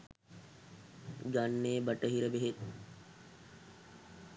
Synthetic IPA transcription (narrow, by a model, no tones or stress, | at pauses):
ɡanːeːbəʈəɦiɾəbeɦet̪